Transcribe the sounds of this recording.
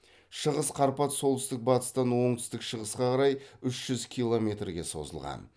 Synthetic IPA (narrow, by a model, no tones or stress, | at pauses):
ʃəʁəsqʰɑɾpɑt̪so̞lˠt̪ʏst̪ɪk̚bɑt̪ə̥st̪ɑnwo̞ɴt̪ʰʏ̥st̪ɪkʃəʁəsqɑqɑɾɑjʏʃʒ̥ʏzkʲʰijlˠo̞mʲe̞t̪rɡʲe̞so̞̰zə̰lˠʁɑ̰n